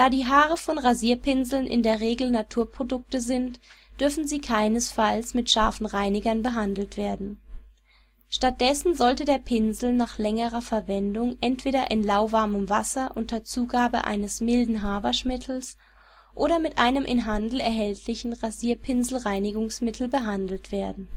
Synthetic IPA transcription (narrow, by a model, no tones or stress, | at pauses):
d̥aːdiːɦaːʁəfɔnʁaziːɐpʰɪnzl̩nʔɪ̰ndeːɐʁeːɡl̩natʰuːɐpʁ̥odʊk̚təzɪntd̥ʏɐfn̩ziːkʰaɪnəsfalsmɪtʃaɐfn̩ʁaɪnɪɡɐnbəɦandl̩tv̥eːɐdn̩ | ʃtat̚d̥ɛsn̩zɔltədeːɐpʰɪnzl̩naːχlɛŋəʁɐfɛɐvɛndʊŋʔɛntv̥eːɾɐʔɪnlaʊvaɐməmvasɐʔʊntɐt͡suːɡaːbə̰ʔa̰ɪnəsmɪldn̩ɦaːbɐʃmɪtʰl̩s | ʔoːɾɐmɪtʔaɪnəmʔɪnɦandl̩ɛɐɦɛltʰlɪçn̩ʁaziːɐpʰɪnzl̩ʁaɪnɪɡʊŋsmɪtʰl̩bəɦandl̩tv̥eːɐdn̩